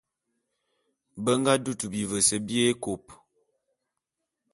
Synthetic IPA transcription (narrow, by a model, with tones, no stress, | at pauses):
bə˦ŋ˦ɡa˦du˦˨tu˨bi˨və˨sə˨bje˦ko˨p